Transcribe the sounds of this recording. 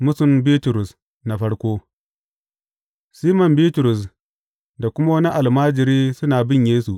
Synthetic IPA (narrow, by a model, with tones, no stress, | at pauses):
mʊ˦sʊ˨mbiː˦tʊ˨ɾʊ˨s | na˨ɸɐ˦ɽkʷoː˦ | siː˦mɐ˨mbiː˦tʊ˨ɾʊ˨s̬ | da˨kʷʊ˦ma˦wɐ˦ni˦ʔa˨lmaː˦d͡ʒɪ˨ɾiː˦sʊ˦naː˨bɪ˦ɲjeː˦su˨ʔ